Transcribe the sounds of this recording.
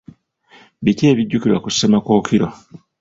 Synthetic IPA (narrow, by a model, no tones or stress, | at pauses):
βiceːβiɟːukiɾwakusemakoːkʰiɾo̰